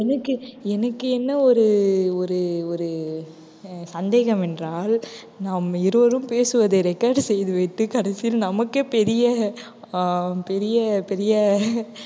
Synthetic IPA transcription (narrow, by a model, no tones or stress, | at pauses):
ɛnɐkːɯɛnɐkːɯɛnːɐɔɾɯɔɾɯɔɾɯ | sɐnd̪eːɣɐmɛndraːl | naːmɪɾɯʋɐɾɯmpeːsɯʋɐðɐɾɛkːaːɾɖsɛjðɯʋɪʈːɯkɐɽɐsɪjɪlnɐmɐkːɯpɛɾɪjɐ | pɛɾɪjɐpɛɾɪjɐ